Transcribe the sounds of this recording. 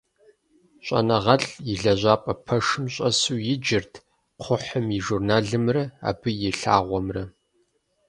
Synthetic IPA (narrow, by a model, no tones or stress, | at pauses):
ɕʷʼɐ̰nɐʁɐɬjɪɮɐʑʷaːpʼɐpʰɐʂɨmɕʼɐsuːjɪd͡ʒɪrtʰ | qʷʰʊħəmiʒurnaːɮɨmrɐa̰ːbɨjɪɬa̰ːʁʷɔmrɐ